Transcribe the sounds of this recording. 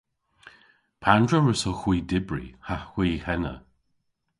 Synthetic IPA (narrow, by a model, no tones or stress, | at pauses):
pʰandɹəɹəsoxwiːdɪbɹḭhaw̥iːhɛnə̰